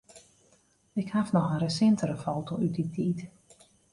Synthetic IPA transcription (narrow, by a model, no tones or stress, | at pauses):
ɪkhafnɔxənɾəsɪntəɾəfoːtoyt̚ditʰiːt